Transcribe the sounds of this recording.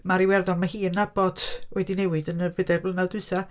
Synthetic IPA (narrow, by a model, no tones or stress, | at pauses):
maɾiwɛrðɔnmahiːənːabɔd̥oɛdinɛwɨdənəvədɛblˠənalˠdʊɨsa